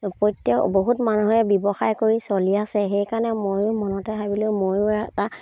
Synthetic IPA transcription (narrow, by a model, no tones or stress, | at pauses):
pɔjtːekboɦutmanuɦɔɛbɔbɔxajkoɹisoliasɛxejkanɛmojʊmɔnɔtɛɦabilʊ̃mojʊɛta